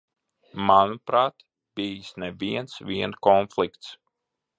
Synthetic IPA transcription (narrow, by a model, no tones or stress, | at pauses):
manupɾaːt̪ | b̥ijsnɛviɛnsʋʲiɛnkɔnflikt̪s